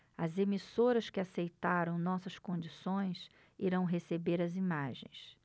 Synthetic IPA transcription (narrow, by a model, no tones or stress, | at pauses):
ɐzemisoɾɐskɪasejt̪aɾɐ̃w̃nɔsɐskõd͡ʒisõj̃s | iɾɐ̃w̃ɦesebeɾɐzimaʒḛ̃j̃s